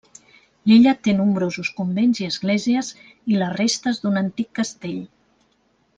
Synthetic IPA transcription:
liʎət̪enumbɾozuskumbenziəzɣleziəz | ilərest̪əzd̪unənt̪ikːəst̪eʎ

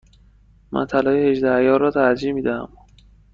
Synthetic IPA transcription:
mæ̰nt̪ʰælɒːjehe̞ʒd̪æjɒːrɒːt̪ʰæɾd͡ʒiːmiːd̪æhæ̰m

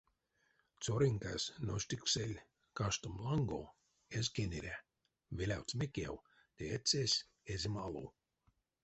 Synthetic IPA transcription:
t̪soɾiŋka̰snoʃʲt̪ʲikselʲ | kaʃt̪omlˠaŋɡo̰ | ezʲkenʲeɾʲæ | vʲelʲa̰wt̪sʲmʲekʲḛw | t̪eet̪sʲesʲ | ezʲimalˠo̰ː

